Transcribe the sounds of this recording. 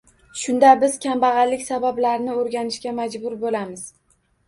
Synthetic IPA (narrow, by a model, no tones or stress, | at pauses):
ʃʊnd̪abɪz̥kʲʰambaʁɑlːɪkʲsabablaɾnɪoɾɡʲanɪʃkʲamad͡ʒbʊɾbolamɪz̥